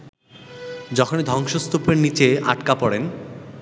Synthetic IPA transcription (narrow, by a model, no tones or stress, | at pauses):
d͡ʑɔkʰoned̪ʱɔŋʃost̪opeɾnit͡ɕea̰ʈkapɔɽen